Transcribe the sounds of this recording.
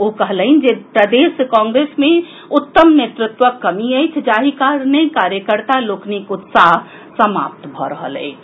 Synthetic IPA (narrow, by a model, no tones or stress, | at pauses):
okəɦləind͡ʒepɾəd̪eːskãŋɡɾeːsmẽ | ʊt̪ːəmnet̪ɾɪt̪wəkːəmiəjt͡ʃʰd͡ʒaːɦikaɾnəikaɾjəkəɾt̪aloːknikʊt̪saɦ | səma̰ːp̚t̪bʱɔɾəɦə̰lɛ̰ː